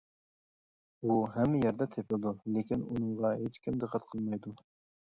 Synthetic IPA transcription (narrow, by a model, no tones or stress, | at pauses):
uɦɛmːɪjɛɾd̪ɛt̪ʰepʰɪlˠd̪ulekʲinunɨŋʁɑɦet͡ʃkʲʰimd̪əqʰːæt̪qʰəlˠmɑjd̪u